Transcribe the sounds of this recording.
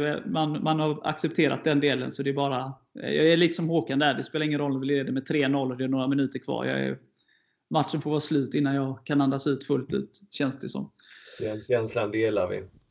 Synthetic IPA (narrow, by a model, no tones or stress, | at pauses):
ɛ̰manmanhaɾa̰ksɛp̚t̪ʰeːɾa̰t̪̚d̪ɛnd̪eːlə̰nsɔd̪ɛːbɑːɾa | jɑ̰ːɡæɭiːt̪ə̥sɔmɦoːkand̪əæɖɛspeːlaɾɪŋːənɾɔlːɑvɪljɛɾd̪ɛmɛt̪ʰɾeːnɔlːɔd̪ɛæɳoːɾamɪnʉ̟ːt̪əɾkʰvɑ̰ːɾjɑ̰ːæ̰ | mat̪ʂənfoɾvɑːslʉ̟ːt̪ɪnːanjɑːɡkʰanand̪asʉ̟ːt̪fɵlt̪ʉ̟ːt̪ɕɛnsd̪ɛsɔ̰m | dɛɛnɕɛnsland̪eːlaɾvɪ̰